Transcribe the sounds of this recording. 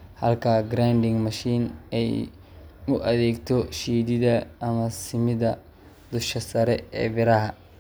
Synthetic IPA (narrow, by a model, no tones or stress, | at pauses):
hɐlkʰɐɡɾand̪ɪŋmɐʃiːnɛj | ʊʔɐðɛːɡt̪ʰɔʃiːd̪ɪðɐːmɐsɪmɪðɐ | d̪ʊʃkɐsɐɾɛɛ̰ːbɪɾɐɦɐ